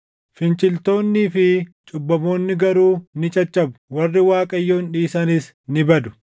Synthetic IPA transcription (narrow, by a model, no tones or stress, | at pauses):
fɪnt͡ʃʼɪlt̪o̞ːnːiːfɪt͡ʃʼʊbːɐmo̞ːnːɪɡɐɾuːnɪt͡ʃʼɐt͡ʃːɐbʊ̥wɐrːɪwaːkʼɐjːo̞ːnᶑiːsɐnɪs | nɪbɐd̪ʊ̥